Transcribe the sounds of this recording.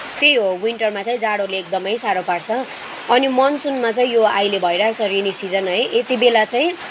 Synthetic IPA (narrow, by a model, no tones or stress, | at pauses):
t̪ejɦowiɳʈʌrmat͡saĩd͡zaɽoleːk̚d̪ʌmʌjsaɾopaɽt͡sʰʌ | ʌnimʌnsunmat͡saĩjoajlebʱʌeɾat͡sʰʌɾinisid͡zʌnɦʌjʔet̪ibelat͡saĩ